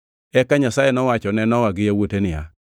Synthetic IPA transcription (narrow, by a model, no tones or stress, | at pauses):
ɛkaɲasajenɔwat͡ʃɔnɛnɔwaɡɪjawotenɪja̰